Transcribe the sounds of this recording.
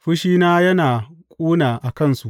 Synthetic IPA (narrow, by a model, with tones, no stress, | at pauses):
ɸʊ˦ʃiː˦naː˦jɐ˦naː˨kʷʼuː˦naː˨ʔa˨kɐ˦˨nsu˨ʔ